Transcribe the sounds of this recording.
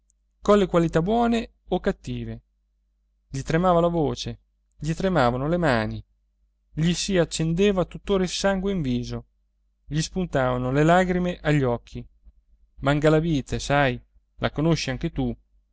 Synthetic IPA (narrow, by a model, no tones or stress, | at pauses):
konlekwalit̪abwɔːne | okːat̪ːiːve | ʎit̪ɾemaːvalavoːt͡ʃe | ʎit̪ɾemaːvanolemaːni | ʎisiat͡ʃːend̪eːvat̪ut̪ːoːɾailsaŋɡweiɱviːzo | ʎispunt̪aːvanolelaːɡɾimeʔaʎːɔkʰːi | maŋɡalaviːt̪esaj | lʔakonoʃːiaŋk̟et̪u